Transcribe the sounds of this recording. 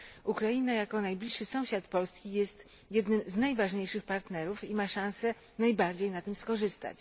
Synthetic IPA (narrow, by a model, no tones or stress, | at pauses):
ukɾajinajakɔnajblʲiʂːɘsɔ̃w̃ɕat̪pɔlskʲijɛst̪ | jɛd̪nɘmznajvaʐɲejʂɘxpaɾt̪nɛɾufimaʂãw̃sɛ | najbaɾd͡ʑejnat̪ɘmskɔʐɘst̪a̰t͡ɕ